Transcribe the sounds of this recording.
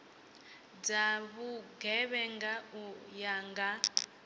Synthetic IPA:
d͡zaβuɡɛβɛŋɡaujaŋɡa

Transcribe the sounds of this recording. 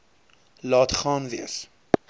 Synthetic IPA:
lɑːtχɑːnviəs

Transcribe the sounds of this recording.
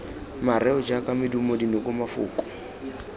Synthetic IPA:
maɾɛɔd͡ʒakʼamɪdumodinɔkʼʊmafʊ̰ːkʼɔ̥

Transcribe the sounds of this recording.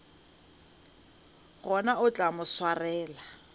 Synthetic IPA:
ɣɔnaʊt͡ɬʼamʊswarɛːla

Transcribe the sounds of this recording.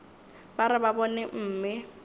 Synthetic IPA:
baɾɪbabɔnɛm̩ːmɪ

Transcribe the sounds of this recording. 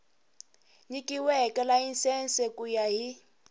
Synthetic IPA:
ɲikʼiwɛkɛlainsɛnsɛkʼujaɦi

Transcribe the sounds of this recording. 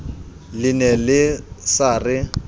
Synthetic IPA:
lɪnɛlɪsaːrɪ

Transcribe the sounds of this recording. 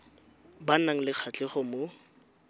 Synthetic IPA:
banaŋ̩lɪk͡xʰat͡ɬʼɪχɔmo

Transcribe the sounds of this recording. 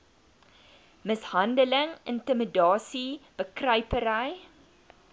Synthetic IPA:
məshɐndələŋəntəmədɑːsib̥əkrɐɥpəɾəj

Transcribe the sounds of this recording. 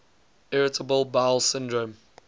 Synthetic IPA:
ɪɹɪtʰəbəlˠbalˠsɪ̃ndɹõm

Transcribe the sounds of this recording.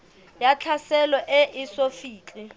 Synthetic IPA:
jat͡ɬʰasɛlɔʔɛʔisofiːt͡ɬʼi

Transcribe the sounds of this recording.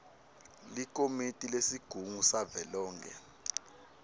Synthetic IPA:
likʼomitʼilesiɡ̥ʱuŋusavɛlɔːŋkʰɛ̰

